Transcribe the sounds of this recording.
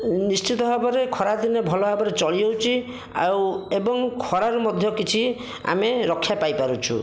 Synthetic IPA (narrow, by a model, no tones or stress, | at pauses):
nist͡ʃit̪ɔɦabɔɾekʰɔɾad̪inɔbʱɔlɔɦabɔɾet͡ʃɔɭiowt͡ʃʰi | a̰webɔŋkʰɔɾaɾumɔd̪ʱjɔkit͡ʃʰi | a̰meɾɔkʰːjapajpaɾut͡ʃʰṵ